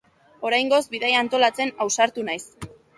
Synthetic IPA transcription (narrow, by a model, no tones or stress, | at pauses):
o̞ɾajŋɡo̞zbiðajant̪o̞lat͡se̞nawsaɾt̪unajs